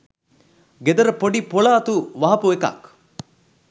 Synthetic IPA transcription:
ɡed̪ɐɾɐpoɖipoɭaːt̪uʋɐɦɐpuekɐ̰k

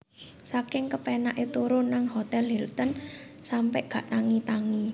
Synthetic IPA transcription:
sakɪŋkəpɛnaʔet̪uɾʊnːaŋhot̪ɛlɦɛlt̪ən | sampɛʔɡ̥ä̤ʔt̪aŋit̪aŋi

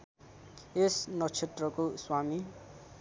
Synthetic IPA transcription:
esnʌt͡sʰet̪rʌkoswami

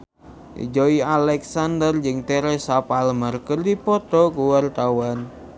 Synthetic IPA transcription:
d͡ʒoialɛksandərd͡ʒɨŋt̪ɛɾɛsapalmərkərdipɔt̪ɔkuwart̪awan

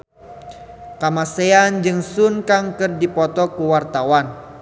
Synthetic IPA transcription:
kamaseand͡ʒɨŋsunkaŋkɨrdipɔt̪ɔkuwart̪awan

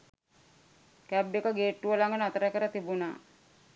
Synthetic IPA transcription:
kæbekəɡeːʈːuʋəlaŋɡənat̪əɾəkəɾət̪ibuna̰ː

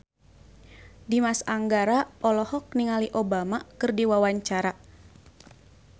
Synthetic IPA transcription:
dimasaŋɡaɾaɔlɔhɔk̚niŋaliʔobamakɨrdiwawaɲt͡ʃaɾa

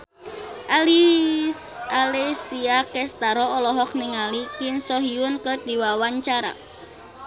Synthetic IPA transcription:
ʔali | alesiakɛst̪aɾɔɔlɔɦɔk̚niŋalikɪmsɔɦiʊnkəd̪̥i̤wawaɲt͡ʃaɾa̰

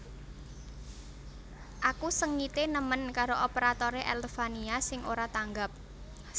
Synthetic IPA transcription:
ʔakusəŋːit̪enəmənkaɾoʔɔpeɾat̪ɔɾeʔɛlfaniasɪŋoɾat̪aŋɡap̚

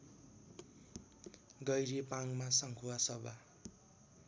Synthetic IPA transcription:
ɡʌjɾipaŋmasʌŋkʰuwasʌba

